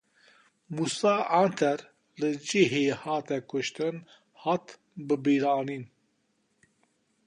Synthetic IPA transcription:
muːsɑːʔɑnt̪ʰɛɾ | lɨd͡ʒiɦeːhɑːt̪ɛkʊʃt̪ɨn | hɑt̪ | bɨbiːɾɑːniːn

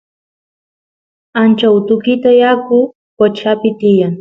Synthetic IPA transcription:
ant͡ʃaʊt̪ʊkɪt̪ajakʊ | kot͡ʃapɪt̪ɪjaŋ

